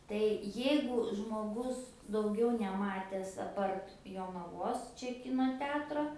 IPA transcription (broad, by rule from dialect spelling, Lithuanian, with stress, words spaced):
tɐɪ ˈjɛɪɡʊ ʒmoːˈɡʊs dɐʊˈɡʲɛʊ nʲɛˈmɑːtʲɛs ɐˈpɐrt joːnɐˈʋoːs ˈt͡ʃʲɛ ˈkʲɪnoː ˈtʲɛɐtroː